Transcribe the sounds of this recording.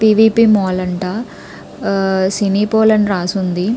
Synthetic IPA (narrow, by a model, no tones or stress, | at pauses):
piːʋiːpiːmɔːlɐɳʈɐ | siniːpoːlɐnɾaːsund̪i